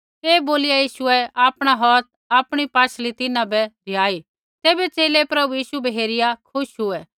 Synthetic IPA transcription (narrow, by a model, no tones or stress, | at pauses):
eːboːlɪjajiːʃʊɛaːpɽ̃aɦɔːt̪̚ | aːpɽ̃ipaːt͡ʃʰlit̪ɪnãbɛd̪ʱɪjaːi | t̪eːbɛt͡ʃeːlepɾɐbujiːʃubɛɦeːɾɪjakʰʊʃɦʊɛ